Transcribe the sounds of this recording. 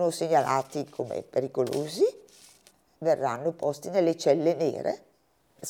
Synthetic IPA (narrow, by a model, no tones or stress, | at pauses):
noseɲːalʔaːt̪ikʰomḛpeɾikoloːzi | verːanːopɔst̪inelːet͡ʃɛlːenḛːɾḛ